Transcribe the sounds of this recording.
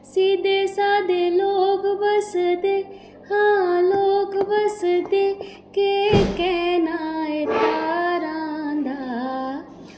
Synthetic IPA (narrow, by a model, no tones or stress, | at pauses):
siːd̪eːsaːd̪eːloːkbəsd̪eː | hãːloːkbəsd̪eː | kekɛːnaet̪aɾãːnd̪aː